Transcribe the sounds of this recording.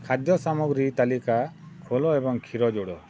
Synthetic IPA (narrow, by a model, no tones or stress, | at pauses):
kʰad̪jɔsamuɡɾit̪alikakʰolɔebɔŋkʰiɾɔd͡ʒoɽɔ